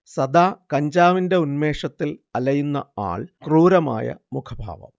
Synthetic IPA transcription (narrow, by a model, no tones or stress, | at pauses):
sɐd̪aːkɐɲd͡ʑaːʋinde̞unme̞ːʂɐt̪ːilɐlɐjunːɐ̰a̰ːɭkruːɾɐma̰ːjɐ̰mukʰɐbʱa̰ːʋɐ̰m